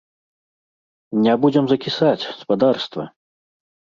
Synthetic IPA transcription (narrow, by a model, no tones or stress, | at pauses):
nʲabud͡zʲɛmzɐkʲisat͡sʲspad̪arst̪vɐ̰